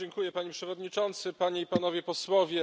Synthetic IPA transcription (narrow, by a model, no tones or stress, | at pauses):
ɛŋkujɛpaɲepʂɛvɔd̪ɲit͡ʂɔnt̪sɘpaɲeipanɔvʲjɛpɔswɔvʲjɛ